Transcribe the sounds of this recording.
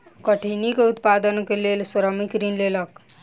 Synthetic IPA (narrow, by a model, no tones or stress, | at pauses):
kʌʈʰinikeut̪pad̪ənkelelsɔɾəmikɾinlelʌk